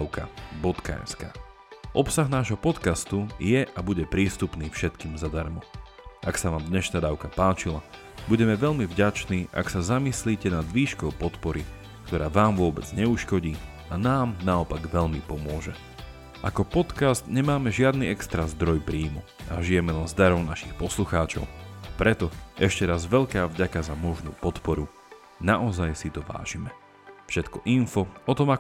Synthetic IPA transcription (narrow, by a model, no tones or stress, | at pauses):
ʊka̰bɔt̪ka̰jnska̰ | ʔɔpsaɣnaːʒɦɔpɔt̪kast̪ujɛʔabuɟɛpɾiːst̪upniːfʃɛt̪kiːmzad̪aɾmɔ | ʔaksaʋaːmd̪ɲɛʃnaːd̪aʊkapaːt͡ʃila | buɟɛmɛʋɛʎmivɟat͡ʃniːʔa̰ksazamisliːcɛnad̪ʋiːʃkɔʊpɔt̪pɔɾi | kt̪ɔɾaːʋaːmʋʊɔbɛd͡zɲɛuʃkɔɟiː | anaːmnaɔpaɡʋɛʎmipɔmʊɔʒɛ | ʔakɔpɔt̪kast̪ɲɛmaːmɛʒɪad̪niɛkst̪ɾazd̪ɾɔjpɾiːmɔ | ʔa̰ʒijɛmɛlɛnzd̪aɾɔʊnaʃixpɔsluxaːt͡ʃɔ̰ʊpɾɛt̪ɔʔɛʃcɛɾazʋɛʎkaːvɟakazamɔʒnṵːpɔt̪pɔɾu | naʔɔzajsit̪ɔʋa̰ːʒ̥imɛ | fʃɛt̪kɔʔinfɔɔt̪ɔma